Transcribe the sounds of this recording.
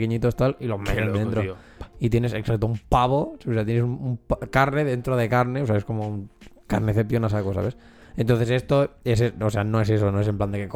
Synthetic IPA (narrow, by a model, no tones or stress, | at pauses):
keɲit̪ost̪alilomet̪end̪ent̪ɾoit̪je̞neseksak̚t̪oumpaβo̞saβseat̪jenes̬umumpakaɾneðe̞nt̪ɾoðe̞kaɾneo̞seaeskomouŋkaɾneθepjonasakosa̰βe̞s | ent̪onθe̞s̬e̞st̪oeseoseanoe̞s̬e̞s̬onoesempland̪ekek